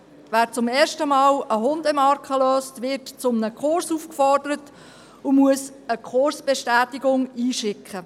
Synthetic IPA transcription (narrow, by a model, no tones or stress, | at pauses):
væːɾt͡sʊmeːɾʃtəmɑːləɦʊnd̪əmɑɾkʰχəløːstʋɪɾtt͡sʊmnəkχʊrsufkfɔrdəɾət | ʊmuəs | əkʰʊrsb̥eʃtæːtiɡʊŋiːʃɪkχə